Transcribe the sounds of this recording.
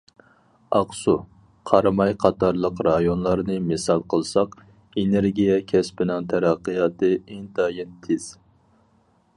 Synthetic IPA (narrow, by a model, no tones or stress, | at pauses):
ɑqsu | qʰɑɾmɑjqʰɑt̪ɑɾlˠəqɾɑjonlˠɑɾnɨmɪsɑlˠqʰəlˠsɑq | eneɾɡʲijɛkʲʰɛspɪnɪŋt̪ʰæɾæqːɨjɑt̪ʰɨeŋt̪ʰɑːjɛnt̪ʰɪz̥